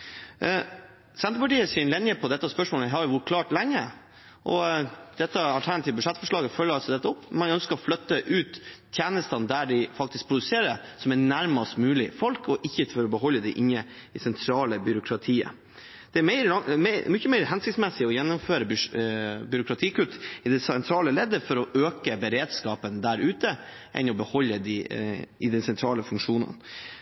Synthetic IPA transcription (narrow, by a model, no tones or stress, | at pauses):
sɛnɾəpɑʈiːəsɪːnlɛnjəpʰɔd̪ɛt̪ːɑspœʂmoːləɦɑɾjʊʋʊʈ̚kʰlɑːʈlɛŋːə | ʔɔd̪̥ɛt̪ːəɑlt̪ʰæɳɑt̪ʰiʋəbʉʂɛt̪ːfɔʂɭɑːɡəfœlːəɾɑlsɔd̪ɛt̪ːəɔpːmɑnœnskəɾɔflœt̪ːəʔʉːt̪ʰjeːnəst̪ɑnd̪æɖɪfɑkt̪ɪsk̚pʰɾʊd̪ʉseːɾəsɔmænæɾmɑst̪mʉːlɪfɔlkʰɔʔɪçːəfɔɾɔbəɦɔlːəd̪ɛʔɪnːəɪsɛnt̪ʰɾɑːləbʏɾʊkʰɾɑt̪ʰiːə̰ | d̪̥ɛæmɛɪɾəmmʏçːəmɛɪɾhɛnsɪkt̪smɛsɪɔjɛnːʊmføːɾəb | bʏɾʊkʰɾɑt̪ʰiːkʉt̪ːɪd̪ɛsɛnt̪ʰɾɑːləlɛd̪əfɔɾɔʔøːkəbəɾeːd̪skɑːpənd̪æɾʉːt̪ə | ʔɛ̰nɔbəhɔlːəd̪ɪɪd̪ɛnsɛnt̪ʰɾɑːləfʉŋkʂuːnə̰n